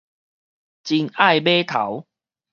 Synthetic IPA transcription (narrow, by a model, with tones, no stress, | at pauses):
t͡ɕi˧ŋa˥˨jbe˦t̪ʰa˨˦w